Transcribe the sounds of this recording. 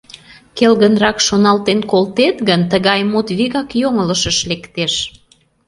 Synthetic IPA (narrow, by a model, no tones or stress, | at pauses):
kelɣənrɑkʃonɑlt̪enkolt̪et̪ɣənt̪əɣɑjmut̪βiɣɑkjoŋələʃəʃlekt̪eʃ